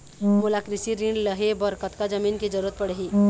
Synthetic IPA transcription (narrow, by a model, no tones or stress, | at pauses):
molakɾɪsiɾĩɳɖləɦebɐɾkət̪kad͡ʒəmiːnked͡ʒəɾuːɾət̪̚pɐɽeɦiː